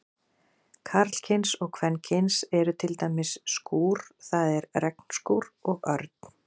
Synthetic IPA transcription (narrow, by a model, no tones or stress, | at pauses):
kʰaɾt̪l̥cʰɪnsɔɣkʰvɛncʰɪnsɛɾʏt̪ʰɪlt̪aːjmɪsːkuːɾ̥θaðɛɾrɛkn̥skuwɾɔɣœɾt̪̚n̥